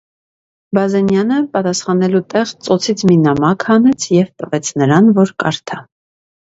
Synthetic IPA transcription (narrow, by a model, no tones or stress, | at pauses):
bɑzɛnjɑnəpɑt̪ɑsχɑnɛlut̪ɛʁt͡sɔt͡sʰit͡sʰminɑmɑkʰhɑnɛt͡sʰjɛvt̪əvɛt͡sʰnəɾɑnvɔɾkɑ̰ɾt̪ʰɑ